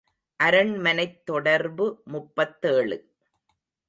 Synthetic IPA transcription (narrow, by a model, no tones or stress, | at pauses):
ʔɐɾɐɳmɐnɐɪt̪ːɔɽɐɾbɯmʊpːɐt̪ːeːɭɯ